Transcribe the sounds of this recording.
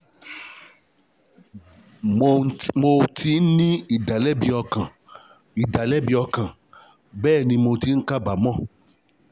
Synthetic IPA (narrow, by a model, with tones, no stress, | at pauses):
mo˧tʰi˨˦n˦nĩ˦i˦˨da˨lɛ˦bi˧ɔ˧kã˨ | i˨da˨lɛ˦˨bi˧ɔ˧kã˨ | bɛː˦˨nĩ˧mo˧ti˨˦ŋ̩˦ka˦˨ba˨mɔ̃˦˨